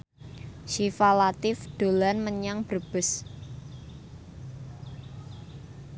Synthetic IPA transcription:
ʃifalat̪ɪfɖ̪̥o̤lanməɲaŋb̥ərb̥ɪ̤s

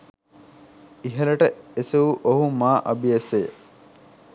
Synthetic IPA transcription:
iɦɐlɐʈəeseuʔoɦumaːʔɐbieseː

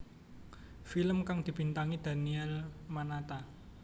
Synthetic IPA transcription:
filəmkaŋd̪̥i̤b̥i̤nt̪aŋid̪̥a̤niɛlmanat̪a

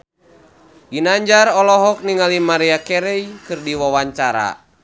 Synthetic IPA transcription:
ɡinaɲd͡ʒaɾɔlɔɦɔk̚niŋalimaɾiakɛɾɛikɨrdiwawaɲt͡ʃaɾa̰

